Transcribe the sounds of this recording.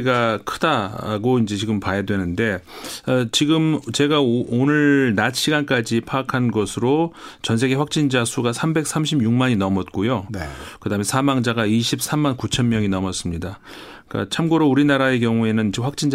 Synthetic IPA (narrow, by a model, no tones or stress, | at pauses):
ɡakʰɯdaɾa̰ɡoind͡ʑe̞t͡ɕiɡɯmpajadwe̞nɯnde̞ʌt͡ɕiɡɯmt͡ɕe̞ɡaonɯɭnat̚ɕʰiɡank͈ad͡ʑipʰaːkʰanɡʌsʰɯɾot͡ɕʌns̬ʰeɡe̞ɸwak̚t͡ɕ͈ind͡ʑasʰuɡasʰambe̞k̚s͈ʰamɕʰibjuŋmaɲinʌmʌt̚k͈ojonkɯdaɦmesʰamaŋd͡ʑaɡaiɕʰip̚s͈ʰamːankut͡ɕʰʌnmjʌŋinʌmʌs͈ɯmɲida | k͈a̰t͡ɕʰamɡoɾouɾinaɾaek̬jʌŋue̞nɯnd͡ʑiɸwak̚t͡ɕ͈ind͡ʑ